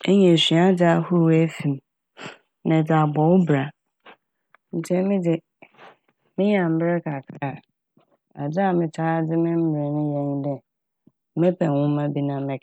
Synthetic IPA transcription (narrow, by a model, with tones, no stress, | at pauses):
e˦ɲɛ̃˨ɕɥa˦da˦hʊ˦ɾu˨˦æ˦fĩ˨m | nã˨d͡za˨bɔ˨wbɾa˨ | n̩˨tʰɛ˦mɪ̃˦dɪ˨ | mɪ̃˦ɲã˨m̩˨bɾɛ˦kʰa˨kʰa˦˨ | a˨d͡zɪ˦a˨mɪ̃˨tʰaː˦dɪ˦mɪ̃˦m̩˦bɪ˨ɾɛ˨nɪ̃˦jɛ̃˦ɲdɛ˨˦ | mɛ˦pʰɛ˨wʊ̃˦mã˦bi˦nã˨mɛ̃˦˨